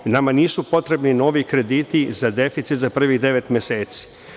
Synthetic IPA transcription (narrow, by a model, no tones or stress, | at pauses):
namaniːsupo̞t̪ɾe̞bnino̞ʋikɾe̞d̪iːt̪izad̪e̞fit̪sit̪zapr̩ʋiɣd̪e̞ʋe̞t̪mʲjese̞ːt̪si̥